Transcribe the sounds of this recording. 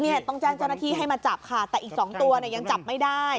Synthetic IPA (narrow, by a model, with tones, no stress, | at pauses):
ni˥˩ɐt̪ɔ˥˩ŋt͡ɕaː˥˩ŋt͡ɕa˥˩naː˥˩iː˥˩ɦa˥˩jmaː˧t͡ɕaː˨˩p̚kʰaː˨˩t̪ːɛː˨˩ʔiː˨˩k̚sɔː˩˦ŋt̪u˧ɐni˥˩ɐja˧ŋt͡ɕa˨˩p̚ma˥˩jdaː˥˩j